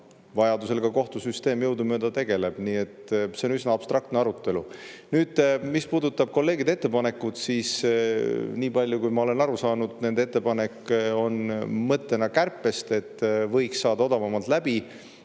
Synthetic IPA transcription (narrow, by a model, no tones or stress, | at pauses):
vɑjɑd̪use̞lɡ̥ɑko̞ht̪usyst̪e̞ːmjɤwd̪umød̪ɑt̪e̞ɡ̥e̞le̞b̥niːe̞t̪se̞o̞nysnɑːb̥st̪ɾrɑkt̪neɑɾut̪ːˑe̞lu | nyːd̪̥mispuːd̪ut̪ːˑɑb̥̚ko̞lːe̞ːɡ̥id̪eet̪ːe̞pɑne̞kːˑud̪̥siːs | niːpɑlʲjukujmɑo̞le̞nɑɾusɑːnud̪̥ne̞nd̪et̪ːepɑne̞kːo̞nmɤt̪ːˑe̞nɑkærpːˑe̞st̪e̞t̪ːvɤ̞jksːɑːd̪̥ɑo̞d̪̥ɑvɑmɑlt̪læb̥i